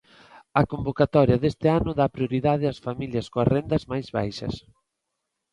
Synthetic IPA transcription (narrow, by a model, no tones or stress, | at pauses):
ɐkombokat̪ɔɾjɐðest̪ɪanʊðapɾjoɾiðaðɪɐsfamiljɐskoɐzrend̪ɐzmajzβa̰jʃɐ̰s